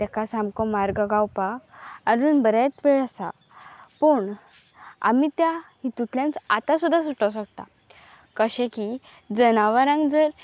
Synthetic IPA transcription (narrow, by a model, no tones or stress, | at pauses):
t̪ɛkasamkɔmaɾɡəɡawpaːɾuːnbəɾat̪ʋeɭəsa̰ | pəɳ | a̰mit̪jahit̪ut̪ʰljãnt͡sat̪asud̪ʱːasuʈəwɕ̬əɡ̚t̪a̰ | kəɕẽki | d͡zənaʋəɾãŋɡd͡zəɾ